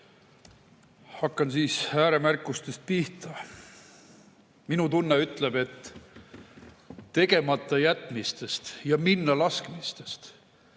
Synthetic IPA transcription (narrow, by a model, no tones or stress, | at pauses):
hɑkˑːɑnsiːsæːɾe̞mærkːˑust̪e̞st̪̚piht̪ɑ | minut̪unːeyt̪ˑlebe̞t̪ː | e̞ɡe̞mɑt̪ˑːɑjæt̪ːˑmist̪e̞st̪jɑminːɑlɑskmist̪e̞st̪